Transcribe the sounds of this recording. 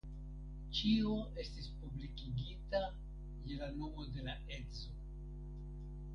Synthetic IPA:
t͡ʃioʔe̞stispublikiɡita | je̞lano̞mo̞de̞la | e̞zo

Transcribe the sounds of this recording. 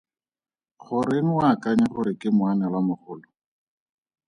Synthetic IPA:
χʊɾen̩wakaɲaχʊɾɪkɪmʊanɛlwamʊχʊːlɔ

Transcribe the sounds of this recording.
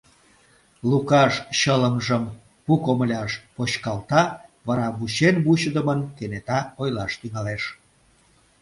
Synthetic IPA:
lukɑʃɕələmʒəm | pukoməlʲɑʃpoɕkɑlt̪ɑβɑɾɑβuɕenbuɕəd̪əmənkenet̪ɑojlɑʃt̪yŋɑleʃ

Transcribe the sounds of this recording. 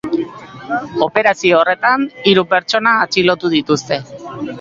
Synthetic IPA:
o̞pe̞ɾasioːre̞t̪aniɾupe̞ɾt͡ʃo̞naːt͡silo̞t̪uð̞it̪ust̪e̞

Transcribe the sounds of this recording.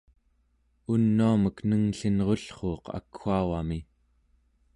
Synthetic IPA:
unːuaməknəŋɬinʁoɬχoːqa̰kxuawami

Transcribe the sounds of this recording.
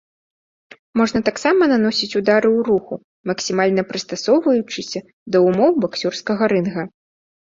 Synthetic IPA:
mɔʐnɐt̪aksamɐnanɔsʲit͡sʲud̪aɾɨuɾuxu | mɐksʲimalʲnɐpɾɨst̪asɔwvɐjut͡ʂɨsʲɐ | d̪ɐumɔwbaksʲurskɐɣɐɾɨnɣɐ

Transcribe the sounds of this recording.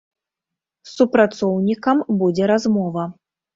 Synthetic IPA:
supɾat̪sɔwnʲikɐmbud͡zʲɛɾazmɔvɐ

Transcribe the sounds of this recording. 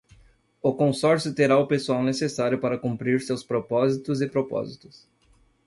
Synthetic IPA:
ʊkõsɔɾsjʊt̪eɾaʊpesuawnesesaɾjʊpaɾɐkũmpɾiɾsewspɾopɔzit̪ʊzɪpɾopɔ̰zit̪ʊ̥s

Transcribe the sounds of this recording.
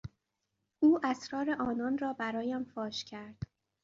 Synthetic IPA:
ʔuːʔæsɾɒːɾeʔɒːnɒːnrɒːbæɾɒːjæmfɒːʃcʰæɾd̪̥

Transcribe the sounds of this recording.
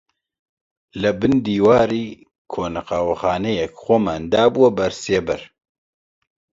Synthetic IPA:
lɨbɨnd̪iːwaːɾiː | kʰoːnqɑwɐxɑːnejɛkxʷomɛnd̪aːbuwɐbɐɾseːbɛɾ

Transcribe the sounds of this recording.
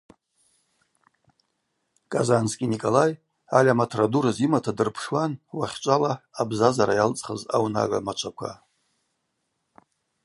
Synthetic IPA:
kʼazanskʲʼinikʼolaj | alʲamatʰraduɾazimatʰadɨrpʰʂwanwaχʲt͡ʃʷʼalaːbzazaɾajalt͡sʼχəza̰wna̰ʕa̰mat͡ʃʷʰakʷʰa̰

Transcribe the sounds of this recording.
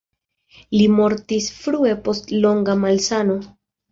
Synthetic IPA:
limo̞ɾtisfɾue̞po̞stlo̞ŋɡamalsano̞

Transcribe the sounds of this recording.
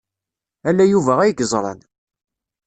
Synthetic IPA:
ælːæjuvæʁæjəɡəzˤɾˤɑ̰n

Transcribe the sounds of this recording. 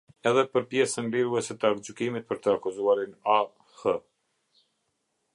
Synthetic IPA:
ɛðɛpəɾpjɛsənliɾuɛsɛt̪əaɾd͡ʑukimit̪̚pəɾt̪əakuzuaɾina | hə

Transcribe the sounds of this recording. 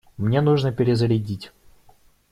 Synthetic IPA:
mnʲenuʐnəpʲɪɾʲɪzəɾʲɪdʲitʲ

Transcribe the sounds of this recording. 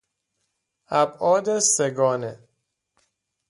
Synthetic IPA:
æbʔɒːd̪eseɡɒːne

